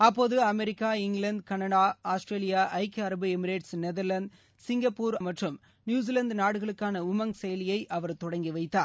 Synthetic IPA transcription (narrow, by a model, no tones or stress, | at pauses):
ɐpːoːðɯɐmɛɾɪkːaːɪŋɡɭɐɳɖkɐnɐɽaːaːsʈɾeːlɪjaːʔɐɪkːɐɾɐbɯɛmɪɾeːʈsnɛðɐɾlɐnd̪ | sɪŋɡɐpːuːɾɐmɐʈrɯm | njuːs̬ilɐnd̪naːɽɯɣɐɭɯkːaːnɐʊmɐŋsɛjɐlɪjɐɪʔɐʋɐɾt̪ɔɽɐŋɡiʋɐɪt̪ːaːɾ